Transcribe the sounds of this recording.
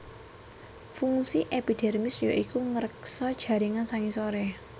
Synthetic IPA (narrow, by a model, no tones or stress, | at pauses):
fuŋsiʔepid̪̥ɛrmɪsjoʔikuŋəɾəksɔd̥ʒ̥ä̤ɾiŋansaŋisoɾɛ